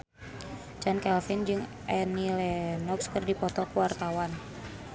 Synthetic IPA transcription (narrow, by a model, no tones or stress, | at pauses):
t͡ʃɔnkɛlfɪnd͡ʒɨŋ | ʔɛnilɛnɔkskɨrdipɔt̪ɔkuwart̪awan